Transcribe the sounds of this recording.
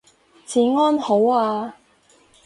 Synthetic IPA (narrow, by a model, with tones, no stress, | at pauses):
t͡sʰiː˨˥ŋɔː˥nho˨˥waː˧